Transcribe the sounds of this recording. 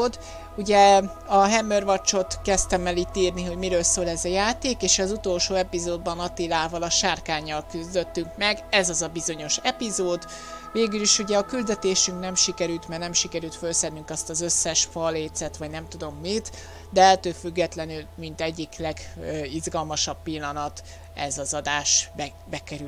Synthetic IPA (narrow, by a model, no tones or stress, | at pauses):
d̪ | uɟɛ | ɒɦɛmørvɒt͡ʃːo̞t̪kɛst̪ɛmːɛliːt̪iːrniɦo̞ɟmiɾøːlsoːlɛzɒjaːt̪eːkeːʃɒzut̪o̞lʃoːɛpizoːd̪̚bɒnɒt̪ilaːvɒlɒʃaːrkaːɲːɒlkyzd̪øt̪ːyŋkmɛɡɛzɒzɒbizo̞ɲo̞ʃɛpizoːd̪ | veːɡyliʃuɟɛɒkyld̪ɛt̪eːʃyŋknɛmʃikɛɾylt̪mɛrnɛmʃikɛɾylt̪følsɛnːyŋkɒst̪ɒzø̞sːɛʃfɒlːeːt̪sɛt̪ʋɒɟnɛmt̪ud̪o̞mːit̪ | d̪ɛɛlt̪øːlfyɡːɛt̪lɛnylmint̪ɛɟːiklɛɡizɡɒlmɒʃɒbpilːɒnɒt̪ | ɛ̰zɒzɒd̪aːʃbɛ | bɛkɛɾy